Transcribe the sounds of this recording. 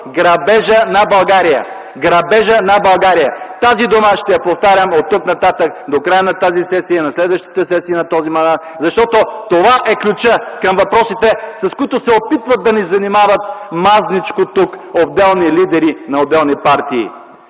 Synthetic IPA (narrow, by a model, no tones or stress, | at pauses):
ɡɾɐbɛʒənɐbɐlˠɡaɾijə̰ | ɡɾɐbɛʒənɐbɐlˠɡaɾijə̰t̪azid̪oməʃt̪ɛjɐpoft̪aɾʲəmot̪ːuknɐt̪at̪ək̚d̪okɾajənɐt̪azisɛsiənɐslɛd̪vəʃt̪i̥t̪əsɛsiːnɐt̪ɔzimɐnd̪at̪zɐʃt̪ɔt̪ot̪ovaʔɛklʲut͡ʃəkɐmvɐpɾɔsit̪ɛsɐskʊit̪ʊsɛopit̪vɐt̪̚d̪ɐnizɐnimavɐt̪̚maznit͡ʃkot̪ukobd̪ɛlˠnilid̪ɛɾinɐob̪ɛlˠnipaɾt̪ḭː